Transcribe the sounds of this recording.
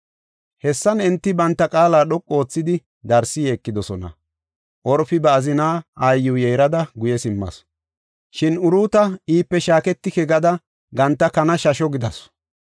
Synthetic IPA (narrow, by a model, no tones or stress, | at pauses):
hɛsːɐnɛnt̪ːɪbɐnt̪ːɐkʼaːlaːɗɔkʼːo̞ːt͡sːɪd̪ɪ | d̪ɐɾsɪjeːkːɪd̪ɔsɔnɐ̰ | ʔɔɾfɪbɛɐzɪnaːajːʊːjɛjɾɐd̪ɐɡʊjɛsɪmːɐ̰s | ʃɪnʊɾuːt̪ɐiːpːɛʃaːkɛt̪ːɪkɛɡɐd̪ɐ | ɡɐnt̪ːɐkɐnɐʃɐʃɔɡɪd̪ɐs